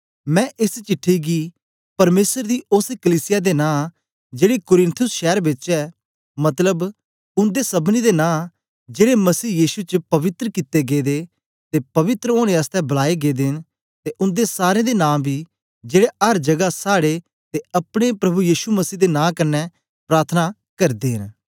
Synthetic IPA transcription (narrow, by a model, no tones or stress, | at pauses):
mɛ̃ːʔɪst͡ʃɪʈʰːiɡi | pɐɾmeːsəɾd̪iʔʊskəliːsɪjad̪enãː | d͡ʒeːɽikʊɾɪ̃nt̪ʰʊsʃɛːɾbɪt͡ʃɛː | mɐt̪ləb | ʊnd̪esɐbnid̪enãː | d͡ʒeːɽemɐsiːjiːʃut͡ʃəpɐʋɪt̪ɾəkɪt̪ːeɡeːd̪e | t̪epɐʋɪt̪ɾəoːɽ̃eəst̪ɛbɐlaːeɡeːd̪eɦn | t̪eʔʊ̃nd̪esaːɾẽd̪enãːbʱiː | d͡ʒeːɽeɐɾd͡ʒɐɡasaːɽe | t̪eɐpɽ̃epɾɐbujiːʃuməsiːd̪enãːkɐnːɛ | pɾaːɾt̪ʰna | kɐɾd̪eːɦɪn